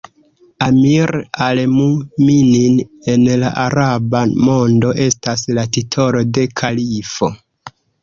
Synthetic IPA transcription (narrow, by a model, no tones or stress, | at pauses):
amiɾalmuminine̞nlaʔaɾabamo̞ndo̞ʔe̞staslatitʰo̞lo̞de̞kʰalifo̞